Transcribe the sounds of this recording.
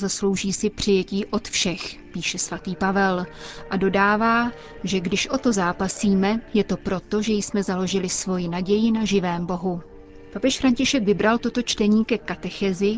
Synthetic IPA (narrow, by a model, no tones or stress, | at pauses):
zaslo̞wʒiːsɪpr̝̥ɪjɛciːʔo̞t̪fʃɛxpiːʃɛsvat̪iːpavɛlʔado̞daːvaː | ʒɛɡdɪʃʔo̞t̪o̞zaːpasiːmɛjɛt̪o̞pɾo̞t̪o̞ʒɛjsmɛzalo̞ʒɪlɪsvo̞jɪnaɟɛjɪnaʒɪvɛːmbo̞ɦu | papɛʃfɾaɲcɪʃɛkvɪbɾalt̪o̞t̪o̞t͡ʃt̪ɛɲiːkɛkat̪ɛxɛzɪ